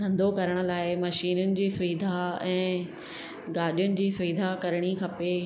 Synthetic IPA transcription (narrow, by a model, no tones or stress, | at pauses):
ɡɐ̃nd̪ʱokɐɾəɽ̃ə̆laːɪmɐʃiːnʊnɪ̆d͡ʑiːsʊʋiːd̪ʱaɛ̃ː | ɡaːɗijʊnɪ̆d͡ʑiːsʊʋiːd̪ʱakɐɾɽ̃ikʰɐpe